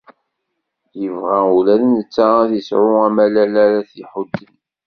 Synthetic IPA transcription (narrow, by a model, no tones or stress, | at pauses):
jəvʁæulæðənət͡sːaɾaθisʕʊæmælælæɾæθiħʊd̪ːən